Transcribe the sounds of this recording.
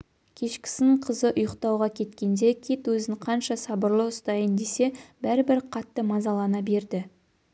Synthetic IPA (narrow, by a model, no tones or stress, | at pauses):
kʲʰe̞ʃkʲɪ̥sɪnɪɴqʰəzəʔʊjəqt̪ɑwʁɑkʲʰe̞t̪kʲe̞nd̪e̞kʲʰit̪wɵzɪɴqʰɑnʃɑsɑbəɾlˠəʊst̪ɑjənd̪e̞se̞bæɾɪbɪɾqʰɑt̪ːəmɑzɑlˠɑnɑbe̞ɾd̪ɪ